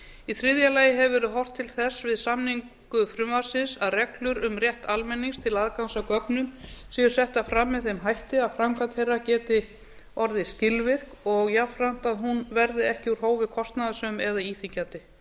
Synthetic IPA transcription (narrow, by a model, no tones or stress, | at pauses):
iθɾɪðjalaːjɪɦɛvʏvɛːɾʏðɦɔwr̥t̪ʰːɪlθɛsvɪðsamniŋk | ʏfɾʏmvaɾ̥sɪnsaðrɛklʏɾʏmrjɛht̪almɛnːiŋst̪ʰɪlaðkansakœpnʏmsiːjʏ̥sɛht̪afɾamːɪðθejmɦajht̪ɪaðfɾamkat̪hejrːacɛːt̪ɪ | ɔɾðɪscɪlvɪr̥kɔɣjafɾan̥t̪aðɦunvɛɾðɪɛhcɪuɾ̥ɦoːwvɪkʰɔst̪naðasœmɛðaiːθiɲcat̪ɪ